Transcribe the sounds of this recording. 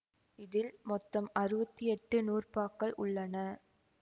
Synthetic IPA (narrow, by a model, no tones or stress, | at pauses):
ɪðɪlmɔt̪ːɐmɐɾɯbɐt̪ːiɛʈːɯnuːrpaːkːɐɭʔʊɭːɐnɐ